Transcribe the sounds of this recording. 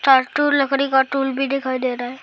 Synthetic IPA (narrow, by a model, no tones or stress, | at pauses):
ʈaɾʈuɾləkɾikɔʈulbʱid̪ekʰajd̪eɾaɦɛ